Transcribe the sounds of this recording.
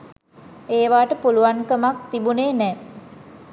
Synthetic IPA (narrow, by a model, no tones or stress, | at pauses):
eːʋaːʈəpuluʋaŋkəmak̚t̪ibuneːnɛː